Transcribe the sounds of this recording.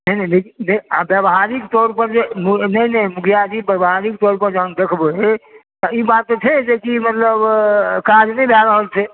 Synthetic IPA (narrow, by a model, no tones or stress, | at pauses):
nəɦinɛɦlekinɛiabjəbɦaɾikt̪ɔɾpəɾd͡ʒemunəɦnɛmukʰijad͡ʒibəbɦaɾik̚t̪ɔɾpəɾd͡ʒəɦənd̪ekʰboet̪ɔibat̪ːt͡ʃʰɛd͡ʒekimət̪ləbkad͡ʒnɛibʱaɾəɦəlt͡ʃʰɛ